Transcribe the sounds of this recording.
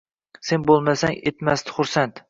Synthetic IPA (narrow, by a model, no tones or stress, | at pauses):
se̞nbolˠmasaŋet̪masd̪ɪχʊɾsant̪